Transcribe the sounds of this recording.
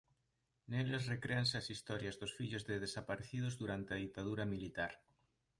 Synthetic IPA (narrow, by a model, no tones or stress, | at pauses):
nelesrekɾeanseasist̪ɔɾjazðosfiʎozðeðesapaɾeθið̞ozðuɾant̪eaðik̚t̪að̞uɾamilit̪aɾ